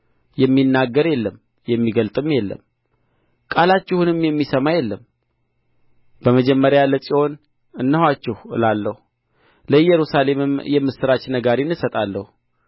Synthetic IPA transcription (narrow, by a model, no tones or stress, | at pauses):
jɛmːinːaɡːəɾjɛlːəm | jɛmːiɡəlt̪ʼɨmjɛlːə̰m | kʼalat͡ʃːɪhunɨmjɛmːisəmajɛlːəm | b̥əməd͡ʒɛmːəɾjaləsʼiho̞n | ɨnːəhwat͡ʃːɪhlalːəhu | ləjɛɾusale̞mɨmjɛmːɨsɨɾat͡ʃːnəɡaɾinːɨsət̪ʼalːəhu